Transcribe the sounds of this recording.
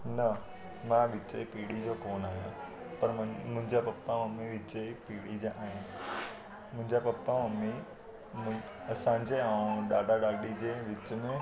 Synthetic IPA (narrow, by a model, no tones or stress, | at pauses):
nɐ | mãʋɪt͡ɕəipiːɽid͡ʑokoːnaːɦijã | pɐɾmʊ̃ɦɪ̃ɲd͡ʑapɐpːamɐmiʋɪt͡ɕəipiːɽid͡ʑeʔaːɦĩ | mʊ̃ɦɪ̃ɲd͡ʑapɐpːamɐmi | m̃ | ɐsãːɲd͡ʑeaːũɗaːɖaɗaːɗid͡ʑeːʋɪt͡ɕə̆mẽ